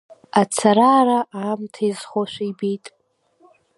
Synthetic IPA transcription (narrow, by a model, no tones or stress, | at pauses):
at͡sʰaɾaːɾaʔaːmtʰazχoʃᶣʷaibijtʼ